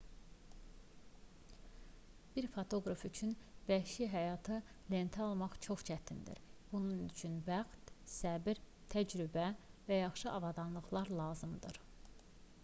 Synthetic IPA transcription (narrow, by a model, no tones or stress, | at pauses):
b̥iɾfot̪ʰo̞ɡɾɑfyt͡ʃʰynbæhʃiɦæjɑːt̪ʰɯ | le̞nt̪ʰæɑlˠmɑχt͡ʃʰo̞χt͡ʃʰæt̪ʰind̪ḭɾb̥ununyt͡ʃʰynvæχt̪sæbɾ | t̪ʰæd͡ʒɾybævæjɑχʃɯʔɑvɑd̪ɑnlˠɯχlˠɑɾlˠɑːzɯmd̪ɯ̰ɾ̥